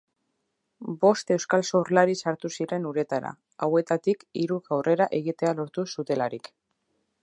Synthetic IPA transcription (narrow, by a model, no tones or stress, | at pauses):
bo̞st̪e̞wskalsorlaɾisaɾt̪usiɾe̞nuɾe̞t̪aɾa̰ | awe̞t̪at̪ikiɾuɣawre̞ɾaʔe̞ɣ̞it̪e̞alo̞ɾt̪usut̪e̞laɾik